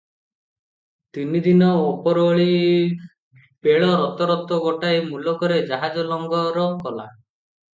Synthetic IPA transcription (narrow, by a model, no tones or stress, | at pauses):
t̪inid̪inɔopɔɾoɭi | peɭɔɾɔt̪ɔɾɔt̪ɔɡɔʈaemulɔkɔɾed͡ʒaɦad͡ʒɔlɔŋɡɔɾɔkɔla̰